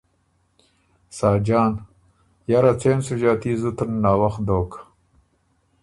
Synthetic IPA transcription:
saːd͡ʒɑːn | jaɾat͡seːnsuʒaːt̪izut̪ənːaːwaxd̪oːk

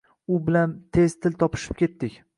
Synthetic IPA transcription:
ʊbɪlant̪ʰe̞z̥t̪ʰɪlt̪ʰɒpʰɪ̥ʃɪ̥p̚kʲʰe̞t̪ːɪkʲ

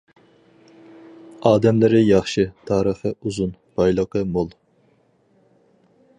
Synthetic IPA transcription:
ɑːd̪ɛmlɪɾɪjɑχʃɨt̪ʰɑːɾəχəuzun | b̥ɑjlˠəqəmolˠ

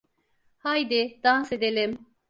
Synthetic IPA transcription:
hajd̪id̪anse̞d̪elʲim

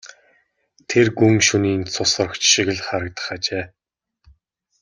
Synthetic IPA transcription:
t̪ʰerɡuŋʃuniːnt͡sʰʊsə̆rə̆kt͡ɕʃiɣɘ̆ɮχaɾə̆k̚t̪ə̥̆χat͡ɕeː

